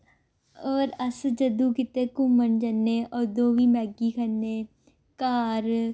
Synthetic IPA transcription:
ɔːɾəsd͡ʒəd̪ũːkɪt̪ẽːkʊmənd͡ʒənːeːʔɔːɾd̪oːʋiːmɛːɡiːkʰənːeː | kaːɾ

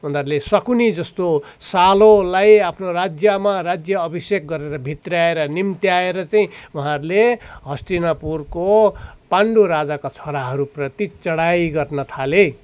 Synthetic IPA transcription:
und̪aɾlesʌkunid͡zʌst̪o | salolajapʰnorad͡zjʌmarad͡zjʌːbisek̚ɡʌɾeɾʌbʱit̪raeɾʌnimt̪jaeɾʌt͡saĩuɦãɾleɦʌst̪inʌpurkopaɳɖuɾad͡zakat͡sʰoɾaɦʌɾuprʌt̪it͡sʌɽajɡʌrnʌt̪ʰale

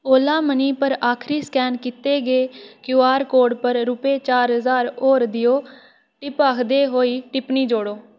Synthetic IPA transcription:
oːlaːməniːpəɾaːkʰɾiːskɛːnkɪt̪eːɡeːkjuːaːɾkoːɾɖpəɾɾʊpeːt͡ʃaːɾɦəzaːɾoːɾd̪ɪjoː | ʈɪpaːkʰd̪eːɦoːiːʈɪpniːd͡ʒoːɽoː

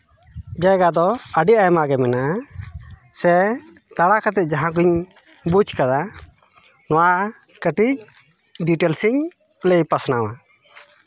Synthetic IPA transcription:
d͡ʒajɡad̪ɔəɖiʔajɛmaɡɛmɛna | sɛ | t̪aɽakat̪ɛc̚d͡ʒaɦãk̬uɲ | but͡ʃkad̪a | nɔwaʔ | kəʈic̚ | ɖiʈɛlsiɲ | lejpasnawa

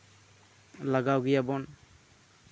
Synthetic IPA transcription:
laɡawɡijabɔn

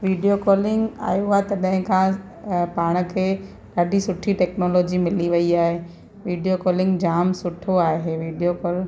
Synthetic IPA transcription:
ʋiːɖijokɔːlɪ̃ŋɡa̰ːjuaːet̪ɐɗɦɪ̃kʰãː | paːɽ̃ə̆kʰeː | ɗaːɗisʊʈʰiʈɛːknoːlɔːd͡ʑimɪliʋɐiaːɦeː | ʋiːɖijokɔːlɪ̃ŋɡd͡ʑaːmsʊʈʰoaːɦeʋiːɖijokɔːl

